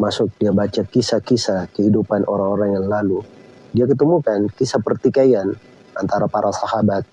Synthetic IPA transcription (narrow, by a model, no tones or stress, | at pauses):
masʊk̚diabat͡ʃakisakisakəhidupanʔoɾaŋoɾaŋjaŋlalu | diakət̪əmukankisapərt̪ikajan | ʔant̪aɾapaɾʔasahabat̪̚